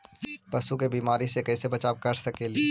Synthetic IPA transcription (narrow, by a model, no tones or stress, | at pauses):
pɐsukebiːmaːɾisekɛːsebɐt͡ʃaːʋkɐɾsɐkeːli